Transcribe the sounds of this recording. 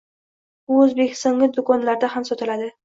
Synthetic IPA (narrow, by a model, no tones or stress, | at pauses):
bʊɵzbekʲʰɪ̥st̪ɒŋlʲɪd̪ʊkʰɒnlaɾd̪ahamsɒt̪ɪlad̪ɪ